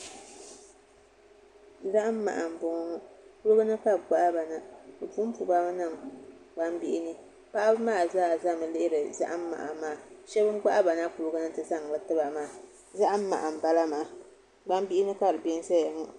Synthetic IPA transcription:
za˦ʔa˦mː˦a̰˨ʔa˨m̩˨bʊ˦ŋɔ˦ŋɔ˦pu˦lɨ˦ɡɨ˦nɨ˦ka˦ɡ͡ba˦ʔa˦ba˨na˦bɨ˨pu˦m̩˦pu˨ba˦m˦nɨ˦˨ŋɡ͡ba˦m˦bi˦ʔɪ˦nɨ˦ | pa˦ʔa˦bɨ˦maː˦˨zaː˦˨za˦mɨ˨lɪ˦ɪ˦ɾɨ˨za̰˦ʔa˦m̩˦ma̰˨ʔa˨maː˦˨ʃɛ˦bɨ˦m˦ɡ͡ba˦ʔa˦ba˨na˦pu˨lɨ˦ɡɨ˦nɨ˦tɨ˦za˦ŋ˨lɨ˨tɨ˦ba˨maː˦˨ | za˦ʔa˦m̩˦ma̰˨ʔa˨m̩˨ba˦la˦maː˨˦˨ | ɡ͡ba˦m˦bi˦ʔɪ˦nɨ˦ka˦˨ɾɨ˨bɛ˦n˦sa˦jɛ˨ŋɔ˦

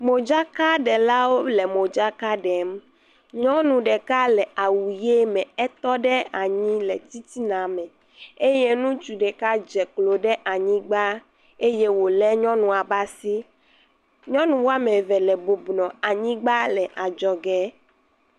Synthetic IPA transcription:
mo˨d͡ʒa˦ka˦ɖɛ˨la˦wo˦lɛ˨mõ˨d͡ʒa˦ka˦ɖɛ˨m | ɲɔ̃˦nũ˨ɖɛ˨ka˦lɛ˨a˨wu˨je˦mɛ̃˨ɛ˦t̪ɔ˦ɖɛ˦a˨ɲĩ˦lɛ̰˨t̪i˦t̪i˦nã˨mɛ̃˨ | e˦je˦nũ˦t͡ʃu˨ɖɛ˨ka˦d͡ʒɛ˨klo˨ɖɛ˦ʔa˨ɲĩ˦ɡ͡ba˦ | e˦je˦wo˨lɛ˦ɲɔ̃˦nũ˨a˨ba˦si˦ | ɲɔ̃˦nũ˨wo˦a˦mẽ˨vɛ˨lɛ˨bo˨bnɔ̃˨a˨ɲĩ˦ɡ͡ba˦lɛ˨ʔa˨d͡ʒɔ˨ɡɛ˦

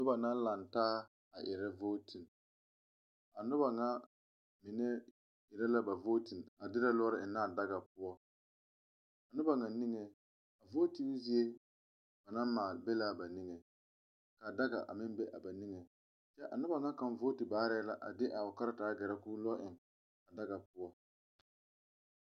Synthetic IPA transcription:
nʊ˦ba˨na˦n˦la˨ntaː˦ | a˨ʔɪ̰˨ɾɛ˦voː˦ti˨n | a˨nʊ˦ba˨ŋa˦ | mɪ˨nɛ˦ | ɪ˨ɾɛ˦la˦ba˨vo˦ti˨na˨dɪ˦ɾa˦lɔ˦ɾɪ˦˨ɪ˨nː˦aː˦˨da˦ɡa˨pʊ˦ɔ˦ | a˨nʊ˦ba˨ŋa˨ni˦ŋe˨ | a˨vo˦ti˦n˦zi˦e˦ | ba˨na˦maː˨lbɛ˦la˦˨ba˨ni˦ŋɛ˨ | ka˨da˦ɡa̰˨ʔa̰˨mɪ˦m˦bɛ˦ʔa˨ba˨ni˦ŋe˨ | t͡ʃɛ˦ʔa˨nʊ˦ba˨ŋa˦ka˨m˦voː˦ti˨baː˨˦ɾɛ˦la˨ʔa̰˨dɪ˦ʔa˨ɔ˨ka˦ɾa˦taː˨˦ɡɛ˨ɾa˦kuː˦lɔ˦ʔɪ˨ŋ | a˨da˦ɡa˨pʊ˦ɔ˦

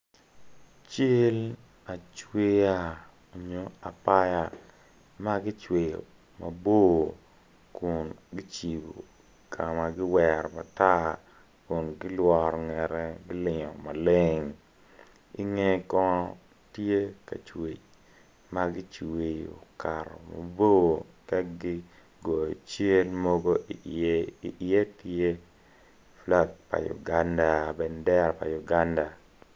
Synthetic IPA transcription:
t͡ʃe˦l | a˨t͡ʃwe˦ja˦ | o˨ɲo˨a˨pa˦ja˨ | ma˦ɡɪ˦t͡ʃwe˨jo̰˨ | ma˨bo˦ | ku˨nɡɪ˦t͡ʃi˨bo̰˨ | kʰa˨ma˨ɡɪ˦wɛ˨ɾma˨ta˦ | ku˨nɡɪ˦lwɔ˨ɾŋɛ˨ɾɛ˦ɡɪ˦lɪ˨ŋɔ˨ma˨le˦ŋ | ḭ˦ŋe˦kɔ˦ | tje˦ka̰˨t͡ʃwe˨ | ma˦ɡɪ˦t͡ʃwe˨o̰˨ka˨ɾɔ̰˨mo̰˨bo˦˨ka˦ɡɪ˦ | ɡo˨t͡ʃe˦lmo˦ɡo˦i˨i˨ʔe˦tje˦ | fla˦k̚pa̰˨jṵ˨ɡa˦nda˨bɛ˨ndɛ˦ɾpa̰˨ju˨ɡa˦nda˨

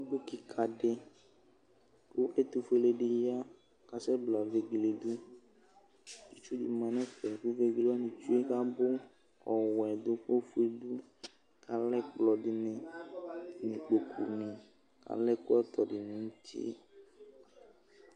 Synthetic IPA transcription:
bo˦ki˨kʰa˨ɖe˦ | ku˦ʔe˦t̪u˨fe˦le˦˨ɖe˨ja˦ | ka˨sɛ˦bla˨ve˨ɡle˨d̪u˦ | t͡ʃi˨t͡ʃu˦dḭ˨mã˨nẽ˦ɸɛ˨ku˦ve˦ɡle˦a˦nĩ˨t͡ʃu˦e˦ka˦bo˦ | ɔ˨wɛ˨d̪o˦ɸo˦fu˦e˦d̪u˦ | kʰa˨lɛ˦k͡plɔ˨ɖi˨nẽ˨ | nĩ˨k͡po˨kʰṵ˨nẽ˨ | ka̰˨lɛ˦ku˦ɛ˦t̪ɔ˨ɖe˨nĩ˦ŋ̩˦t̪ḭ˦ḛ˦

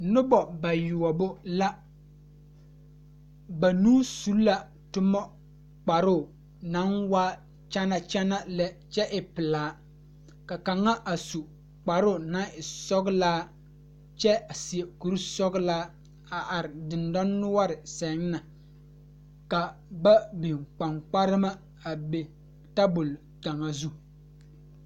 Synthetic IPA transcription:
nʊ˦bɔ˨ba˨jʊ˨ɔ˨bʊ˦la˦ | ba˨nuː˦su˦la˨ | tʊ˦mɔ˦ | k͡pa˨ɾʊː˦˨ | na˨˦nwaː˦ | t͡ʃa˦na˨t͡ʃa˦na˦lɛ˦t͡ʃɛ˦ʔɪ˨pɪ˨laː˨˦ | ka˨ka˨ŋːa˦ʔa˨su˨ | k͡pa˨ɾʊ˦˨na˨˦ɪ˨sɔ˦ɡlaː˦ | t͡ʃɛ˦a˨si˨e˨ku˨ɾsɔ˦ɡlaː˦ | a˨ʔa˨ɾɪ˨dɪ˨ndɔ˦nːʊ˦wa˦ɾɪ˨sɛ˨˦ŋ˦na˨ | ka˨ba˦bi˨ŋk͡pa˨ŋk͡pa˦ɾɪ˦ma˦ | a˨be˨ | ta˦bʊ˨l | ta˨ŋa˨zu˦

